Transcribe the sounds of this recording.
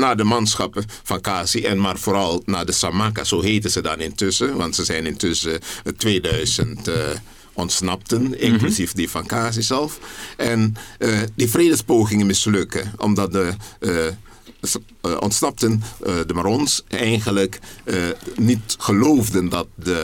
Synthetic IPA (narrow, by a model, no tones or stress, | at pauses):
naːdəmɑnsχɑpəfɑnkaːsiʔɛnmaːrvoːɾɑlˠnaːdəsamaka̰z̥oːɦeːtənzədɑnɪntɵsəʋɑntsəzɛjnɪntʏsətʋeːdœɥzənt | ɔntsnɑp̚tənɪŋklysifdifɑnkaːs̬izɛlˠfʔɛn | difreːdəspowχɪŋənmɪslɵkəɔ̰mdɑt̚də | ʔɔ̰ntsnɑp̚təndəmarɔnsɛjχələk | nitχəlowvdəndɑt̚də